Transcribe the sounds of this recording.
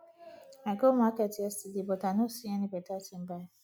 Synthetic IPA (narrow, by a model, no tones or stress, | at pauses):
aɡomaketɛstidibotanosiɛnibetatim̩baa